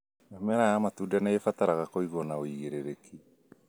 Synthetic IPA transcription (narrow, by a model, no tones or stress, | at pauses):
ɔmɛɾajamatuːdanaefataɾaɣakoiɣɔnaoiɣeɾeɾeki